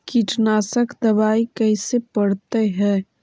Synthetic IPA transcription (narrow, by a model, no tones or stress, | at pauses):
kiʈnaːsəkd̪ɐbaːikɛɪsepəɽt̪eɦɛ̃ː